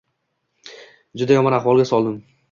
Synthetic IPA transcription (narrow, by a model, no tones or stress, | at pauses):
d͡ʒʊd̪ajɒmɒnaχwɒlˠɡʲasɒlˠd̪ɪm